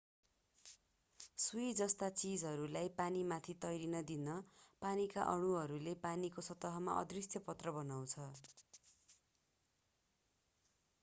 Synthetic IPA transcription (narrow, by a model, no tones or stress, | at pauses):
sujd͡zʌst̪at͡sid͡zɦʌɾulajpanimat̪ʰit̪ʌjɾinʌd̪inʌpanika̰ʔʌɽ̃uɦʌɾulepanikosʌt̪ːʌɦʌma̰ʔʌ̰d̪risjʌpʌt̪rʌbʌnaw̃t͡sʰʌ